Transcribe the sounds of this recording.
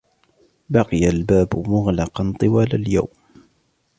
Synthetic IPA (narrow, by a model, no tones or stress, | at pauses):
bɑqɨjalbaːbʊmʊɣlɑqɑnt̪ˤɨwaːlalja̰wm